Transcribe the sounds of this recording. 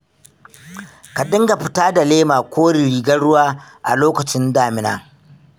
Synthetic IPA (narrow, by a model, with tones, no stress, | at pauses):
ka˨ɗɪ˦ŋɡa˨ɸɪ˦taː˦da˨leː˦maː˨kʷʰoː˦ɽi˨ɾiː˨ɡɐ˦ɽʊ˦waː˦ | ʔa̰˨loː˦kɐ˨t͡ʃɪ˦ndaː˦˨mɪ˨na̰ː˦